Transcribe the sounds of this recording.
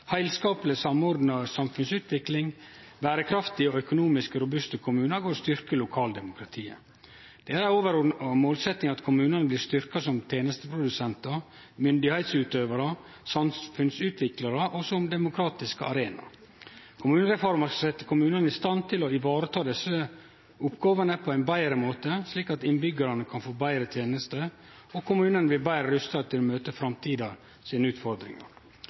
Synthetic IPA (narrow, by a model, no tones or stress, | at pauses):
hæɪlskɑːpəlɪsɑmɔɾd̪nɑsɑmfʉnsʉːt̪ʋɪklɪŋ | bæːɾəkʰɾɑft̪ɪɔœkʊnuːmɪskəɾʊbʉst̪əkʰʊmʉːnɑɡoːɾɔst̪ʏɾkəlʊkʰɑːld̪ɛmʊkʰɾɑt̪ʰiːə̰ | d̪̥ɛææoːʋəɾɔmoːlsɛt̪nɪŋɑt̪kʰʊmʉːnənəbliːst̪ʏɾkɑsɔmt̪ʰeːnəst̪əpʰɾʊd̪ʉsɛnt̪ə | mʏnd̪ɪhæɪt̪sʉːt̪øːʋəɾə | sɑmfʉnsʉːt̪ʰʋɪklɑɾəʔɔsɔmd̪ɛmʊkʰɾɑːt̪ɪskəɑ̰ɾeːnɑ̰ | kʰʊmʉːnəɾɛfɔɾmɑɾsɑsɛt̪ːə̥kʰʊmʉːnənəɪst̪ɑnt̪ʰɪlɔɪʋɑːɾət̪ʰɑːd̪ɛsə | ʊpɡɑːʋənəpʰɔæɪnbæɪɾəmoːt̪əsliːkɑt̪ɪnbʏɡəɾɑnəkʰɑnfoːbæɪɾət̪ʰeːnəst̪ə | ɔkʰʊmʉːnənəʋɪlbæɪɾəɾʉst̪ɑt̪ʰɪlɔmøːt̪əfɾɑmt̪ʰiːd̪ɑ | siːnəʉːt̪fɔɾd̪ɾɪ̰ŋɑ̰ɾ